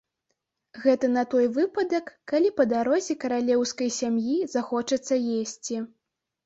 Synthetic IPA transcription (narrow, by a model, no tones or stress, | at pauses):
ɣɛt̪ɐnɐt̪ɔjvɨpɐd̪ɐkːalʲipɐd̪aɾɔzʲɛkɐɾalʲɛwskɐjsʲamjizaxɔt͡ʂɐt̪sːɐjesʲt͡sʲi